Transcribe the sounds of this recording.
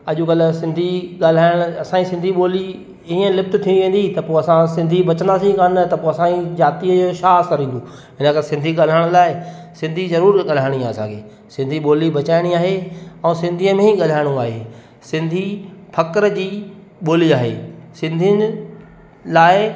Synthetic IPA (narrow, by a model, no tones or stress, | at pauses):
ɐʄʊɡɐlʊ̆sɪ̃nd̪ʱiɠaːl̤aːɪɽ̃ʊɐsãːisɪ̃nd̪ʱiɓoːli | iə̃lɪft̪ɪt̪ʰĩʋẽːn̆d̪it̪ɐpoːɐsãsɪ̃nd̪ʱiɓɐt͡ɕə̃nd̪aːsĩkanət̪ɐpoːɐsãizaːt̪iəoːʃaːsəɾĩːnd̪oː | ɦɪnəkɐɾesɪ̃nd̪ʱiɠaːl̤aːɪɽ̃laːɪ | sɪ̃nd̪ʱizɐɾuːɾɠɐl̤aːɪɽ̃iaɐsãkʰḛː | sɪ̃nd̪ʱiɓoːlibɐt͡ɕaːɪɽ̃iaːɦeɛ̃ːsɪ̃nd̪ʱiəmẽiɠɐl̤aːɪɽ̃ũaːɦeː | sɪ̃nd̪ʱipʰɐkɾd͡ʑiː | ɓoːliaːɦḛːsɪ̃nd̪ʱiən | laːɪ